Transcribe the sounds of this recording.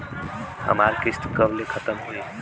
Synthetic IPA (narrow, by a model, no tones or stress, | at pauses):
ə̰malkisʈ̪kəblekʰət̪əmɦui